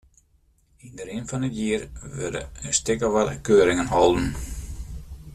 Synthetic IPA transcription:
indəɾɪnfɔnətjiərʋø̰də̰ənstɪkəʋɔtkøːɾɪŋənhɔlˠdn̩

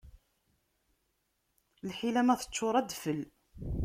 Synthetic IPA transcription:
lħilæmæθə̥t͡ʃːoɾˤæd̪fəl

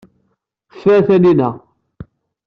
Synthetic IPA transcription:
fæθæninæ

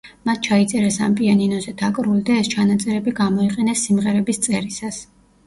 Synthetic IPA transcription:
mat̪̚ʰt͡ʃʰait̪sʼɛɾɛsa̰mpʼianinɔzɛd̪̥akʼɾulˠd̪aɛst͡ʃʰanat̪sʼɛɾɛbiɡamɔiqʼɛnɛsːimʁɛɾɛbist̪sʼɛɾisas

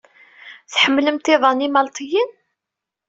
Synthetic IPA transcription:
θħəmːləmt̪iðˤɑnimɑlt̪ʰˤijin

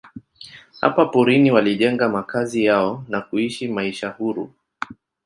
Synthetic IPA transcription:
ha̰papuɾiniwaliʄɛŋɡamakazijaɔnakuiʃimaiʃahuɾṵ

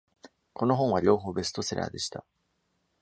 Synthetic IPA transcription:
ko̞no̞ɦõ̞ɰ̃βaɾʲo̞ːɦo̞ːbe̞sɨ̥t̪o̞seɾa̰ːd̪e̞ɕi̥t̪a

